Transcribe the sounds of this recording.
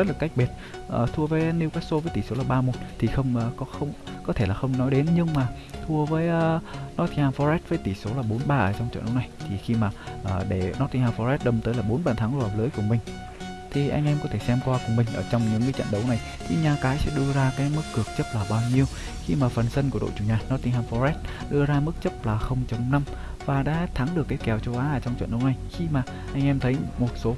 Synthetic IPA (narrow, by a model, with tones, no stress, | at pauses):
ə˦˥t̚laː˨˩ka˦˥k̟̚ɓi˨˩ət̚ | ʔəː˨˩t̪ʰu˧əvəː˨˦jni˧wkaː˨˦˥so˧vəː˨˦jt̪i˧˩so˨˦laː˨˩ɓaː˧mo˨˩t̚t̪ʰi˨˩xə˧wŋ͡mkɔ˨˦xə˧wŋ͡mkɔ˨˦t̪ʰe˧˩laː˨˩xə˧wŋ͡mnɔ˨˦jɗe˨˦nɲɨ˧ŋmaː˨˩ | t̪ʰu˧əvəː˨˦jʔːnɔ˦˥t̪ʰi˧haː˧nfɔ˧ɾɛ˦˥t̚vəː˨˦jt̪i˧˩so˨˦laː˨˩ɓo˨˦nɓaː˧ʔəː˧˩t͡ɕɔ˧wŋ͡mt͡ɕə̰˧˨nɗə˨˦wna˨˩jt̪ʰi˨˩xi˧maː˨˩ʔəː˨˩ɗe˧˩nɔ˦˥t̪̚ʰi˧haː˧˩fɔ˧ɾɛ˦˥t̚ɗə˧˩mt̪əː˨˦jlaː˨˩ɓo˨˦nɓaː˨˩nt̪ʰaː˨˦ŋlo˧˨ə˨˩pləː˨˦jku˧˩əmï˨˩ŋ̟ | t̪ʰi˨˩ʔa̰˧jŋʔɛ˧mkɔ˨˦t̪ʰe˧˩sɛ˧mkwaː˧kʊ˨˩ŋ͡mmï˨˩ŋ̟ʔəː˧˩t͡ɕɔ˧wŋ͡mɲɨ̰˧˥ŋːɨː˨˦t͡ɕə̰˧˨nɗə˨˦wna˨˩j | t̪ʰi˨˩ɲaː˨˩kaː˨˦jsɛ̰˧˥ɗɨ˧əzaː˧kaː˨˦jmɨ˦˥kːɨ˨˩ək̚t͡ɕə˦˥p̚laː˨˩ɓaː˧wɲi˧əw | xi˧maː˨˩fə˨˩nsə˧nku˧˩əɗo̰˧˨jt͡ɕu˧˩ɲaː˨˩nɔ˨˦˥t̪i˧ŋhaː˧˩fɔ˧zɛ˦˥t̚ɗɨ˧əzaː˧mɨ˦˥k̚t͡ɕə˦˥p̚laː˨˩xə˧wŋ͡mt͡ɕə˨˩˦wŋ͡mna˧m | vaː˨˩ɗa̰ː˧˥t̪ʰa˨˦ŋɗɨ˨˩əkːaː˨˦jkɛ˨˩wt͡ɕo˨˦wʔaː˨˦ʔəː˧˩t͡ɕɔ˧wŋ͡mt͡ɕwə̰˧˨nɗə˨˦wna˨˩jxi˧maː˨˩ | ʔa˧jŋ̟ʔɛ˧mt̪ʰə˨˦jmo˨˩t̚so˨˦